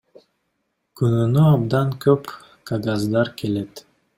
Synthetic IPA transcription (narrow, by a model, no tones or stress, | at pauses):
kynynøɑbd̪ɑnkʰøp | kaɡazd̪ɑɾkelet̪